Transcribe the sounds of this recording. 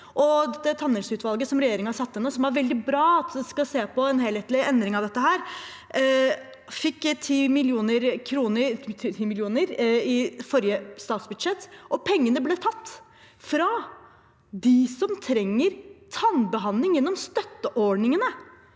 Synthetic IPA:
ʔɔd̪ɛt̪ːɛt̪ʰɑnːɛlsʉːt̪ʋɑlɡəsɔmɾɛjeːɾɪŋəhɑʂɑt̪ːɛnːəsɔmæɾʋɛld̪ɪbɾɑːɑt̪ɛskɑseːpʰɔɛnɦeːlɛt̪lɪɛnd̪ɾɪŋɑʋd̪ɛt̪ːəɦæːɾ | fɪkːt̪ʰiːmɪlɪuːnəɾkʰɾuːnət̪ʰːt̪ʰiːmɪlɪuːnəɾɪfɔɾjəst̪ɑːt̪sbʉd̪ʂɛt̪ːʔɔpʰɛŋːənəblɛt̪ʰɑt̪ː | fɾɑ | d̪ɪsɔmt̪ʰɾɛŋːəɾt̪ʰɑnbəɦɑnlɪŋjɛnːɔmst̪œt̪ːəʔɔɖɳɪŋənə

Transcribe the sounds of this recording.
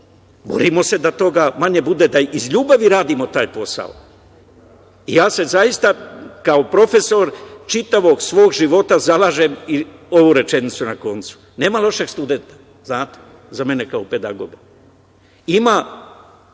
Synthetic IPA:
bo̰ɾimo̞se̞d̪at̪o̞ɡamaɲe̞bud̪e̞d̪aizʎuːbaʋiɾaːd̪imo̞t̪aːjpo̞sa̰o̰ | ijaːse̞zajist̪akaopɾo̞fe̞so̞ɾt͡ʃit̪aʋo̞ɡsʋo̞ːɡʒiʋo̞t̪azalaːʒe̞mio̞ʋuɾe̞t͡ʃe̞nit̪sunako̞nt̪su̥ne̞ːmalˠo̞ʃe̞ɡst̪ud̪e̞nt̪ḁ | znaːt̪e̥ | zame̞nekaope̞d̪aɡo̞̰ɡa | ima

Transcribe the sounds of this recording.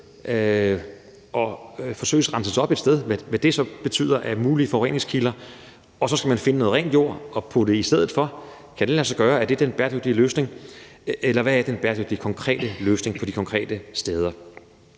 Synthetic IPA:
ʔɒfɒ̽sø̰ɪəsʁɑ̈nsəsɒ̽b̥e̝d̥sd̥eð̞ˠʋæʋæd̥e̝sɒ̽b̥e̝t͡sʰy̰ːð̰ˠɐʔæmuːlifɒʊḛn̰e̝ŋskʰilɐ | ɒ̽sɒ̽sɡ̥æmænfe̝nənoːð̩ˠɛ̰ːnd̥jo̝ɐ̰ɒ̽pʰɒ̽d̥e̝isd̥eð̞̰̩ˠfɒ̽ | kʰæd̥elæsɐɡ̥ɶːɐæɐd̥e̝æɐd̥enb̥æɐdøɡ̥̚d̥iəløːsne̝ŋ | elɐʋææɐd̥enb̥æːɐd̥øɡ̥̚d̥ikʰɒ̽ŋkʰʁɛ̰ːd̥əløːsne̝ŋpʰɒ̽d̥ikʰɒ̽ŋkʰʁɛ̰ːd̥əsd̥eːð̞ˠɐ

